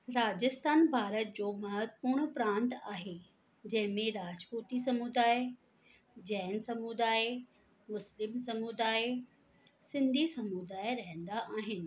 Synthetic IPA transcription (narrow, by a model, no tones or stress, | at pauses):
ɾaːd͡ʑɪst̪aːnbʱaːɾət̪̚d͡ʑoːmɐɦət̪puːɾɽ̃pɾãːnt̪aːɦe | d͡ʑɐ̃ɦɪ̃mẽɾaːd͡ʑpuːt̪is̬ɐmuːd̪aːe | d͡ʑɐːnsɐmuːd̪aːɪ | mʊslɪmsɐmuːd̪aːe | sɪ̃nd̪ʱisɐmud̪aːɪɾɐɦɪ̃nd̪aʔaːɦɪnɪ̆